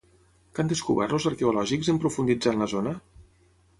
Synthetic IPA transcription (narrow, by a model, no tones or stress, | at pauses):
kand̪eskuβ̞ɛ̰ɾlozəɾkeulɔʒikzəmpɾufund̪id͡zanləzonə